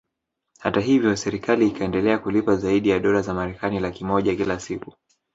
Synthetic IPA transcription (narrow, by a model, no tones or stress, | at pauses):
hataɦivjɔsɛɾikaliːkʰaɛndɛlɛakulipazaiɗijaɗɔlazamaɾɛkanilakimɔʄakilasiku